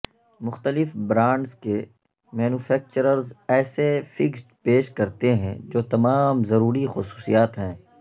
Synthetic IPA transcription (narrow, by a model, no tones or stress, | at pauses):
mʊxt̪əlɪfbɾãːɳɖzke | mɛːnuːfʰɛːk̚t͡ʃəɾəɾzɛːsefɪksʈpeːʃkɐɾt̪eɦɛ̰̃d͡ʒoːt̪ɐmaːmzɐɾuːɾixʊsu̥ːsḭjaːt̪ɦɛ̃ː